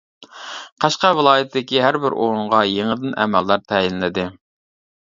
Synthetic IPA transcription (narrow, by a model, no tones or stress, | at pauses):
qʰɑʃqɑvɪlˠɑːjɪt̪ʰd̪ɪkʲiɦæɾbɪɾʔoɾuɴʁɑjeŋəd̪ɨnʔɛ̰mælːɑɾt̪ʰɛjinlɪd̪ɪ